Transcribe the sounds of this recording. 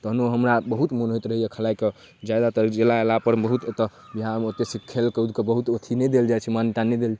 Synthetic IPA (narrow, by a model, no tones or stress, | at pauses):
t̪ɔɦənoɦəmɾabəɦut̪monɦoit̪ɾəɦijekʰəlaike | d͡ʒjad̪at̪əɾkd͡ʒelaelapəɾbəɦut̪t̪ə | biɦamot̪esikʰːelkəud̪kebəɦut̪ot̪ʰinɛd̪eld͡ʒajt͡ʃʰɛmant̪anɛd̪eld͡ʒ